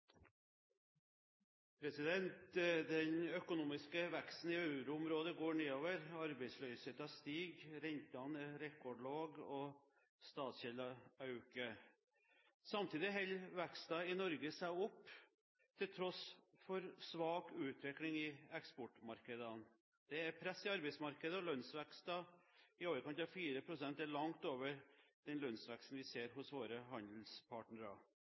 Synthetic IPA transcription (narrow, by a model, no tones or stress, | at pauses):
pʰɾɛsɪd̪ɛnt̪d̪ɛnœkʊnuːmɪskəʋækst̪n̩ɪœʉɾʊʊmɾoːd̪əɡoːɳeːoːʋəɾɑɾbæɪslœʏsheːt̪ɑst̪iːɡɾɛnt̪ɑnəɾɛkɔɖɭoːɡɔ | st̪ɑːt̪sɛləɑʉkə | sɑmt̪ʰiːd̪ɪɦɛlʋækst̪ɑɪnɔɾɡəsæɪʊpː | t̪ʰɪlt̪ʰɾɔsfɔɾsʋɑːkʉːt̪ʰʋɪklɪŋɪɛkspɔʈmɑɾkəd̪ən | d̪̥ɛæɾpʰɾɛsːɪɑɾbɛɪsmɑɾkəd̪əɔlœnsʋækst̪ɑɪoːʋəɾkɑnt̪ɑfiːɾəpʰɾʊsɛnt̪æɭɑŋt̪oːʋəɾd̪̥ɛnlœnsʋækst̪n̩ʋɪseːɾɦʊsʋoːɾəɦɑnd̪l̩spʰɑʈɳəɾɑ̰